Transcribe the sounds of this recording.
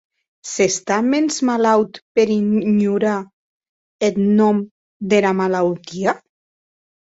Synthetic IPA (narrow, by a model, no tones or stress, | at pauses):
sest̪amenzmalawt̪peɾiɲuɾa | et̪nɔm | d̪elamalawt̪ia